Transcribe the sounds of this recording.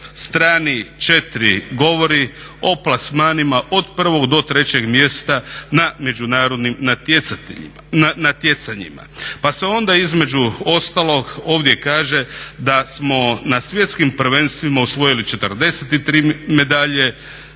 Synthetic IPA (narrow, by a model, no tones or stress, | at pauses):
st̪ɾaːnit͡ʃe̞t̪iɾiɡo̞ʋo̞ɾio̞plasmaːnimaʔo̞d̪pr̩ʋo̞ɡd̪o̞t̪ɾe̞t͡ɕe̞ɡmje̞st̪aname̞d͡ʒunaːɾo̞d̪nimna | anat̪je̞t̪saɲḭma̰paseo̞nd̪aizme̞d͡ʑuo̞st̪alo̞ɡo̞ːʋd̪je̞kaːʒe̞d̪asmo̞nasʋje̞t̪skimpr̩ʋenst̪ʋimausʋo̞jilit͡ʃe̞t̪ərd̪e̞set̪it̪ɾiːme̞d̪aʎe̞